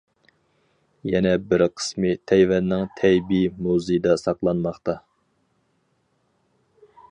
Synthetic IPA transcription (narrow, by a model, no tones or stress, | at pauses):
jɛnɛbɪɾqʰə̥smɨt̪ʰɛjvɛnːɪŋt̪ʰɛjbimuzɨjd̪ɑsɑqlˠɑnmɑχt̪ɑ